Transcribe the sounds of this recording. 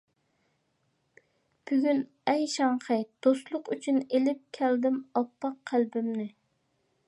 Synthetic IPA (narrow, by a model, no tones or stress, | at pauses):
b̥yɡʲyn | ɛjʃɑŋqəd̪̥oslˠʊqyt͡ʃʰynelɪp̚kʲʰæld̪ɪmɑpːɑqʰːælbɪmnɪ